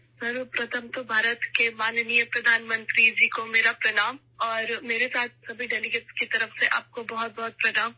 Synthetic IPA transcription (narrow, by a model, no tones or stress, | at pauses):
sɐɾpɾɐt̪ʰəmt̪obʱaːɾət̪kemaːnnijəpɾɐd̪ʱaːnmə̃nt̪ɾid͡ʒiːkomeːɾapɾɐnaːm | ɔːɾmeːɾesaːt̪̚ʰsɐbʱiɖɛːliɡəʈskit̪ɐɾəfseʔa̰ːp̚kobɐɦʊt̪̚bɐɦʊt̪̚pɾɐnaːm